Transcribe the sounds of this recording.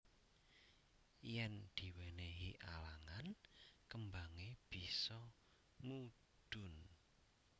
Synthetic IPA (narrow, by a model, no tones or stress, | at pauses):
jɛnd̪̥i̤weneɦiʔalaŋankəmbaŋeb̥i̤sɔ | mu | ɖ̥ʊ̤n